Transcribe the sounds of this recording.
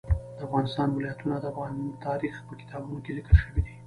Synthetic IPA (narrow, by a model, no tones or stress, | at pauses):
d̪əafɣɑnɪst̪ɑnwɪlɑjat̪unad̪əafɣɑnt̪ɑɾixpəkɪ̥t̪ʰɑbunokezikəlʃəwid̪i